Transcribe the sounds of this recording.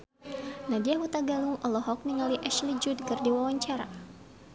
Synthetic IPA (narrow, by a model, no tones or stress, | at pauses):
nadiaɦut̪aɡaluŋɔlɔɦɔk̚niŋaliʔɛʃlid͡ʒudkɨrdiwawaɲt͡ʃaɾa̰